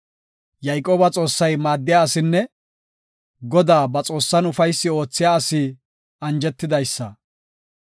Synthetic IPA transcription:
jɐjkʼo̞ːbɐt͡sʼo̞ːsːɐjmaːd̪ːɪjaːɐsɪnːɛ | ɡɔd̪aːbɐt͡sʼo̞ːsːɐnʊfɐjsːɪo̞ːt͡sːɪjaːɐsɪ | ɐnd͡ʒɛt̪ːɪd̪ɐjsːɐ

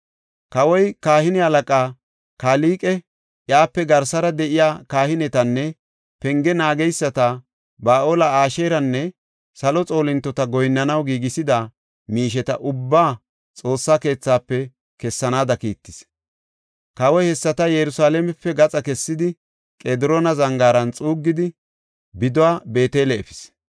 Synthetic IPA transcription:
kɐwɔjkaːhɪnɪhɐlɐkʼaː | kaːliːkʼɛ | jaːpːɛɡɐɾsɐɾɐd̪ɛʔɪjaːkaːhɪnɛt̪ɐnːɛ | pɛŋɡɛnaːɡɛjsːɐt̪ɐ | baːʔoːlɐaːʃeːɾɐnːɛ | sɐlɔt͡sʼo̞ːlɪnt̪ːɔt̪ɐɡɔjnːɐnɐwɡiːɡɪsɪd̪ɐ | miːʃ̬ɛt̪ɐʔʊbːaː | t͡sʼo̞ːsːake̞ːt͡sːaːpːɛ | kɛsːɐnaːd̪ɐkiːt̪ːɪs | kɐwɔjhɛsːɐt̪ɐjɛɾʊsaːlɛmɛpːɛɡɐt͡sʼɐkɛsːɪd̪ɪ | kʼeːd̪ɪɾoːnɐzɐŋɡaːɾɐnt͡sʼuːɡːɪd̪ɪ | bɪd̪ɔwaːbe̞ːt̪eːlɛɛfɪ̥s

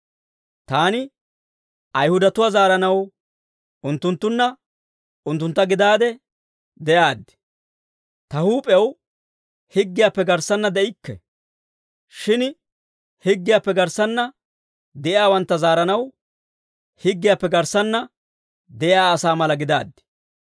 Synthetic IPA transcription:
t̪aːnɪ | ʔɐjhʊd̪ɐt̪ʊwaːzaːɾɐnɐw | ʔʊnt̪ːʊnt̪ːʊnːɐ | ʊnt̪ːʊnt̪ːɐɡɪd̪aːd̪ɛ | d̪ɛjaːd̪ːɪ̥ | t̪ɐhuːpʼɛw | hɪɡːɪjaːpːɛɡɐɾsɐnːɐd̪ɛʔɪkːɛ̰ | ʃɪn | hɪɡːɪjaːpːɛɡɐɾsɐnːɐ | d̪ɛʔɪaːwɐnt̪ːɐzaːɾɐnɐw | hɪɡːɪjaːpːɛɡɐɾsɐnːɐ | d̪ɛʔɪjaːɐsaːmɐlɐɡɪd̪a̰ːd̪ːɪ̥

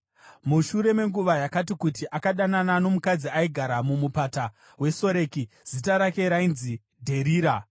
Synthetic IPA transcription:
muʃuɾe̞me̞ŋɡuʋajakatikutiʔakaɗananano̞mukad͡ziaiɡʱaɾamumupata | we̞so̞ɾeːki | z̥itaɾake̞ɾainzi | dʱe̞ɾiːɾa

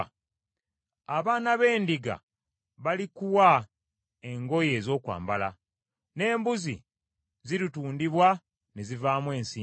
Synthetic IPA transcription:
aβaːnaβe̞ːndiɡa̰ | βalikuwa | e̞ŋɡo̞je̞ːzo̞ːkwa̰ːmbala̰ | ne̞ːmbuzḭ | ziɾituːndiβwa | ne̞zivaːmwe̞ːnsiː

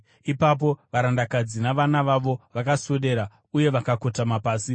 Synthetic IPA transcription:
ipap̬o̞ʋaɾandakad͡zinaʋanaʋaʋo̞ʋakasoɗe̞ɾa | uje̞ʋakako̞tamapaːsi

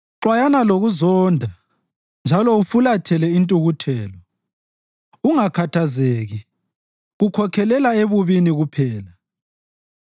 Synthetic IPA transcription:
ǁwajanaloɣuzɔːndʱa | nd͡ʒʱalɔufulatʰɛlɛintʼuɣutʰɛːla | uŋakʰatʰazeːɣi | ɣukʰɔkʰɛlɛlaeβuβiniɣupʰɛːla

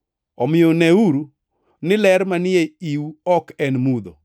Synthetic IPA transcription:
ɔmɪjonɛuɾu | nɪlɛɾmanɪeiwɔkɛnmud̪o̰

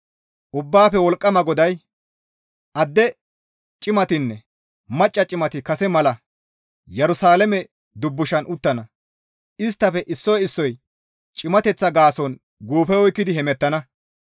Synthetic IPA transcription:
ʔʊbːaːfɛwɔlkʼːɐmɐɡɔd̪ɐj | ʔɐd̪ːɛ | t͡ʃʼɪmɐt̪ɪnːɛ | mɐt͡ʃʼːɐt͡ʃʼɪmɐt̪ɪkɐsɛmɐlɐ | jɛɾʊsaːlɛmɛ | d̪ʊbːʊʃɐnʔʊt̪ːɐnɐ | ʔɪs̬t̪ːɐfɛʔɪsːɔjɪsːɔj | t͡ʃʼɪmɐt̪ɛt͡sːɐɡaːsɔn | ɡuːfɛɔjkːɪd̪ɪhɛmɛt̪ːɐnɐ

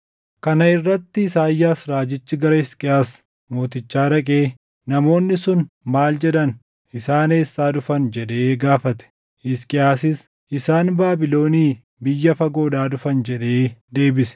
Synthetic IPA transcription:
kɐnɐɪrːɐt̪ːɪsaːjːaːsɾaːd͡ʒɪt͡ʃːɪɡɐɾɐɪskʼɪaːs | mo̞ːt̪ɪt͡ʃːaːɾɐkʼe̞ː | nɐmo̞ːnːɪsʊnmaːld͡ʒɛᶑɐn | ʔɪsaːneːsːaːd̪ʊfɐnd͡ʒɛᶑe̞ːɡaːfɐt̪ɛ̥ | ʔɪskʼɪaːsɪs | ʔɪsaːnbaːbɪlo̞ːniː | bɪjːɐfɐɡo̞ːdaːd̪ʊfɐnd͡ʒɛᶑe̞ːd̪e̞ːbɪsɛ̥

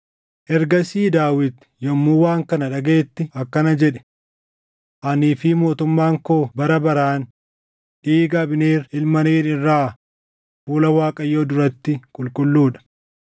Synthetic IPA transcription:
ʔɛɾɡɐsiːd̪aːwɪt̪ | jɔmːuːwaːŋkɐnɐᶑɐɡe̞ːt̪ːɪɐkːɐnɐd͡ʒɛᶑɛ̥ | ʔɐniːfɪmo̞ːt̪ʊmːaːŋkoːbɐɾɐbɐɾaːn | ᶑiːɡɐbɪneːɾɪlmɐneːɾɪrːaː | fuːlɐwaːkʼɐjːoːd̪ʊɾɐt̪ːɪkʼʊlkʼʊlːuːᶑɐ̥

